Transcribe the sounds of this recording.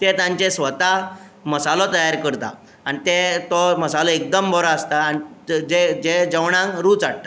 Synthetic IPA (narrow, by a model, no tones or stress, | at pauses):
t̪et̪ãɲt͡ɕesʋət̪a | məsalɔt̪əjaɾkəɾt̪a̰ | anit̪et̪ɔməsalɔek̚d̪əmbʱɔɾaəst̪aːnid͡ʑed͡ʑed͡ʑəʋɳãŋkɾuːt͡saɽ̚t̪a